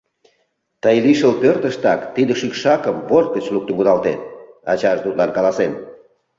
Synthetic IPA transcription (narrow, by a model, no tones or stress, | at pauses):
t̪əjliʃəlpørt̪əʃt̪ɑkt̪id̪ə̆ʃykʃɑkəmβor̚kət͡ɕluk̚t̪əŋkud̪ɑlt̪et̪̚ɑt͡ɕɑʒd̪ut̪lɑnkɑlɑsen